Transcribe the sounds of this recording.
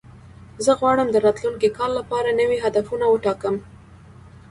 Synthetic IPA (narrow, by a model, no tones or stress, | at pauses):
zəɣwɑɽəmd̪əɾɑt̪luŋkikɑlːapɑɾanəwiɦad̪afunawəʈɑkəm